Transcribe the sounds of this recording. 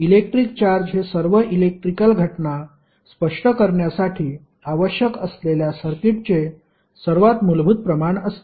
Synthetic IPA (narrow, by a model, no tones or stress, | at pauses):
ilek̚ʈɾik̚t͡ɕaɾd͡ʑɦesəɾʋəʔilek̚ʈɾikəlɡʱəʈna | spəʂʈəkəɾɳjasaʈʰiː | aʋəɕjəkəsleljasəɾkiʈ̚t͡se | səɾʋat̪mulbʱut̪̚pɾəmaɳəst̪e